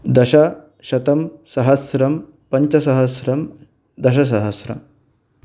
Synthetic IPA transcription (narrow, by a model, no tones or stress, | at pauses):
d̪ɐʃɐ | ʃɐt̪ɐmsɐɦɐsɾɐm | pɐɲt͡ʃɐsɐɦɐsɾɐm | d̪ɐʃɐs̬ɐɦɐsɾɐ̰m